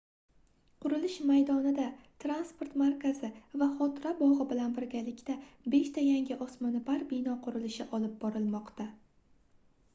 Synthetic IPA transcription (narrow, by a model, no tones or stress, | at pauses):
qʰʊɾɪlɪʃmajd̪ɒnɪd̪at̪ʰɾanspo̞ɾt̪maɾkʰʲazɪvaχɒt̪ɾabɒʁɨbɪlanbɪɾɡʲalɪkʲt̪abe̞ʃt̪ʰajaŋʲɪʔɒsmɒnɪbaɾbɪnɒqʰʊɾɪlɪʃɪʔɒlɪp̚bɒɾɪlˠmɒqt̪a